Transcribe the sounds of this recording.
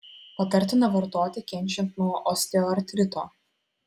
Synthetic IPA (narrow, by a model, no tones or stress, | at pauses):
pɐt̪ɐɾʲt̪ʲɪnɐʋɐɾt̪oːt̪ʲɪkʲɛnʲt͡ʃʲɛnt̪nuɔʔɔsʲt̪ʲɛoɐɾʲt̪ʲɾʲɪt̪oː